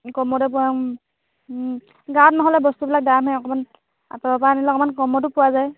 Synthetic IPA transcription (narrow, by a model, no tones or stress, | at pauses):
kɔmɔdɛp̬ua | ɡaɔt̚nɔɦɔlɛbɔstubilak̚damɦɛɔkɔman | a̰tɔɔpaanilɛɔkɔmankɔmɔtʊpʊwazaj